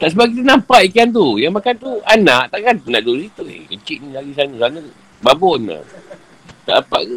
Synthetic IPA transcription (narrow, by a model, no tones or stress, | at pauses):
t̪aʔs̬əbap̚k̬it̪anampaʔikiant̪̬ujaŋmakant̪uanaʔt̪aʔkant̪unaʔdosit̪uḛkət͡ʃiʔnilaɡisanəsanãt̪u | babɔna̰ | t̪a̰ʔnampa̰ʔ